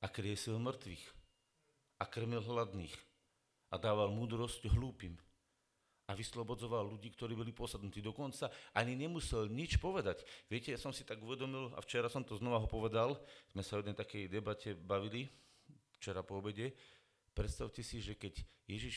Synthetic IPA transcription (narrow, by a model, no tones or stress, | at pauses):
akɾɪɛsilmr̩t̪ʋḭːx | akr̩milɦlad̪nḭːx | ʔad̪aːʋalmuːd̪ɾɔscɦluːpiːm | aʋislɔbɔd͡zɔʋalːuɟiːkt̪ɔɾiːbɔlipʊɔsad̪nut̪iːd̪ɔkɔnt͡saʔaɲiɲɛmusɛlɲit͡ʃpɔʋɛd̪acʋɪɛcɛjasɔmsit̪aɡuʋɛd̪ɔmila̰ft͡ʃɛɾasɔmt̪ɔznɔʋaɦɔpɔʋɛd̪alz̥mɛsaɔjɛd̪ɛjt̪akɛjd̪ɛbacɛbaʋili | ft͡ʃɛɾapɔɔbɛɟɛ | pɾɛt̪st̪aʊcɛsiʒɛkɛɟjɛʒiʃ